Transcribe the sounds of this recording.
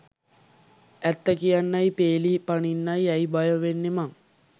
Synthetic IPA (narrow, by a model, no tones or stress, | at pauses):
æt̪ːəkijanːajpeːlipaɳinːajɛjbajəʋenːemaŋ